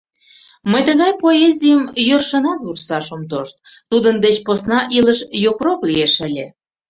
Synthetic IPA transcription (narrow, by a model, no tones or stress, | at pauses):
məjt̪əɣɑjpoezʲijəmjørʃənɑt̪vursɑʃomt̪oʃt̪̚ | t̪ud̪ənd̪et͡ɕposnɑʔiləʃjokroklieʃə̆lʲe